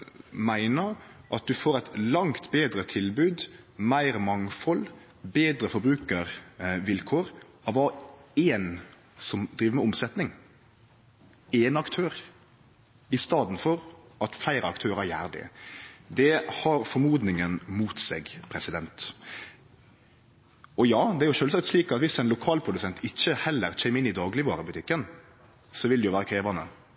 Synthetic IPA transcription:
mæɪnəɾʔɑt̪̚d̪ʉfoːɾɛɪt̪lɑŋt̪beːd̪ɾət̪ʰɪlbʉːd̪mæɪɾəmɑŋfɔl | beːd̪ɾəfɔbɾʉːkəʁʋɪlkʰoːɾ | ɑʋɑeːn | sɔmd̪ɾiːʋəmɛʊmsɛt̪nɪŋ | ɛːnɑkt̪ʰøːɾ | ɪst̪ɑːd̪n̩fɔɾʔɑt̪flæɪɾəɑkt̪ʰøːɾæɾjæ̰ːɾd̪ɪ̰d̪ɛhɑɾfɔɾmuːd̪nɪŋənmuːt̪seːɡpʰɾɛsɪd̪ɛnt̪ | ɔjɑːd̪ɛæɾjʊʃøːlsɑk̚t̪sliːkɑt̪ʋɪsæɪnlʊkʰɑːlpʰɾʊd̪ʉsɛnt̪ɪçːəhɛlːəɾc͡çʰɛɪmɪnːɪd̪ɑːɡlɪʋɑːɾəbʉt̪ʰɪkːən | sɔʋɪld̪ɛjʊʋæːɾəkʰɾeːʋɑnə̰

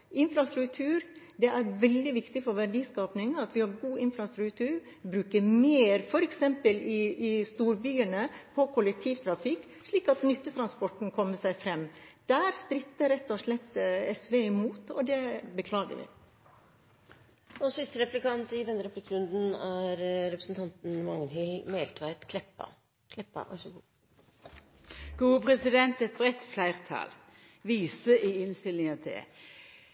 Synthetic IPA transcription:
ɪnfɾɑst̪ɾʉkt̪ʰʉːɾ | d̪ɛʔæɾʋɛld̪ɪʋɪkt̪ɪfɔɾʋæɖiːskɑːpnɪŋɑt̪ʋɪhɑɾɡuːɪnfɾɑst̪ɾʉkt̪ʰʉːɾ | bɾʉːkəɾmeːɾfɔɾɛksɛmpəlɪʔɪst̪uːɾbyːənəpʰɔkʰʊlɛk̚t̪ʰiːʋt̪ʰɾɑfɪkː | ʂɭiːkɑt̪nʏt̪ːət̪ʰɾɑnspɔʈn̩kʰɔmːəsæɪfɾɛmːd̪̥æːɾsp̪ɾɪt̪ːəɾɛt̪ːɔʂlɛt̪ːɛsʋeːɪmuːt̪ɔd̪ɛbəkʰlɑːɡə̰ʋɪ̰ | ɔsɪst̪əɾɛplɪkɑnt̪ɪd̪ɛnːəɾɛplɪkːɾʉnd̪n̩æɾɾɛpɾəsn̩t̪ʰɑnt̪n̩mɑŋnhœmeːlt̪ʰʋæɪt̪kʰlɛpːɑ̰ | kʰlɛpːɑ̰ʋʔæ̰ʂɡuː | ɡ̥uːpʰɾɛsɪd̪ɛnt̪ɛt̪̚bɾɛt̪flæɪʁt̪ʰɑ̰l | ʋiːsəʔɪɪnst̪ɪlnɪŋɑt̪ɛ̰

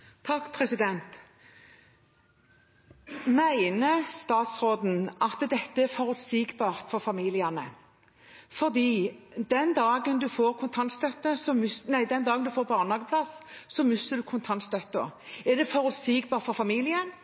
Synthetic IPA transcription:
t̪ʰɑkːpʰʁɛsɪd̪ɛnt̪ | mæɪnəst̪ɑːt̪sɾoːd̪n̩ʔɑt̪d̪ɛt̪ːəæɾfɔʁʉt̪siːɡbɑːʁt̪fɔɾfɑmiːlɪɑnə | fɔʁd̪iːd̪ɛnd̪ɑːɡənd̪ʉfoːʁkʰʊnt̪ʰɑnt̪st̪œt̪ːəsɔmʏsnæɪd̪ɛnd̪ɑːɡənd̪ʉfoːʁɾbɑːʁnhɑːɡəpʰlɑsːɔmʏsəd̪ʉkʰʊnt̪ʰɑnt̪st̪œt̪ːəæd̪ɛfɔʁʉt̪siːɡbɑːʁt̪fɔɾfɑmiːlɪən

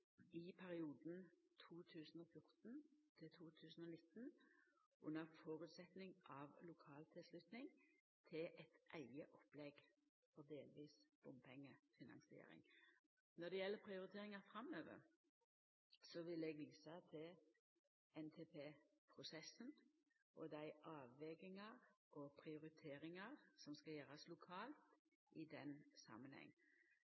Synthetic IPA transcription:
ɪpʰæʁɪuːd̪n̩t̪ʰuːt̪ʰʉːsən̩ɔfjʊʁt̪n̩t̪ʰɪt̪ʰuːt̪ʰʉːsən̩ɔnɪt̪n | ʔʊnːəʁfɔːɾʉt̪sɛt̪nɪŋʔɑʋlʊkʰɑːlt̪ʰɪlslʉt̪nɪŋ | t̪ʰɪlʔɛt̪ʔæɪɡəʔɔpːlɛɡ | fɔʁd̪eːlʋiːsb̥ʊmpʰɛŋːəfɪnɑ̰nsɪḛːɾɪ̰ŋ | nɔd̪ɛjɛlːəpʰʁɪʊɾɪt̪ʰeːʁɪŋɑfɾɑmøːʋə̰ɾ | sɔʋɪlɛːɡʋiːsɑt̪ʰɪl | ɛnt̪ʰeːpʰeːpʰʁʊsɛsən | ʔɔd̪æɪʔɑːʋʋɛɡɪŋɑɾʔɔpʰʁɪʊɾɪt̪ʰeːɾɪŋɑʁsɔmskɑjøːʁɑslʊkʰɑːlt̪ʔɪd̪ɛnsɑ̰mənhɛ̰ŋː

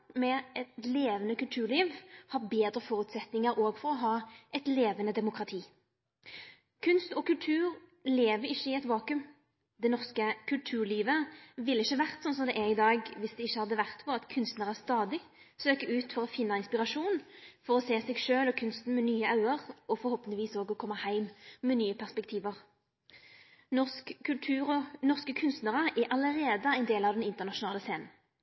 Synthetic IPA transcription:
mɛɛt̪leːʋənəkʉlt̪ʰʉːʁliːʋhɑɾbeːd̪ɾəfɔɾʉt̪sɛt̪nɪŋəɾoːɡfɔɾɔɦɑːʔɛt̪leːʋənəd̪ɛmʊkɾɑt̪ʰiː | kʰʉnst̪ɔkʉlt̪ʰʉːʁleːʋəɾɪçːəɪɛt̪ʋɑːkʉm | d̪ɛnɔʁskəkʰʉlt̪ʰʉːʁɭiːʋəʋɪlːəɪçːəʋæʁt̪sɔnsɔmd̪ɛʔæɾɪd̪ɑːɡʋɪsd̪ɛɪçːəhɑd̪ːəʋæʁt̪pɔʁɑt̪kʰʉnst̪nəʁæst̪ɑːd̪ɪ | søːkəʉːt̪fɔʁɔfɪnːɑɪnspɪʁɑʂuːnfɔʁɔseːsɛɡʃøːlɔkʰʉnst̪n̩mɛnyːəɑʉəʁɔfɔɾhɔːpənɪʋiːsoːɡɔkʰɔmːəhæɪmːɛnyːəpʰæʁspɛk̚t̪ʰiːʋəʁ | nɔʉːʁnɔʁskəkʰʉnst̪nəʁəʔæɾʔɑləʁeːd̪əæɪnd̪eːlɑʋd̪ɛnɪnt̪əʁnɑʃʊnɑːləseːnn̩

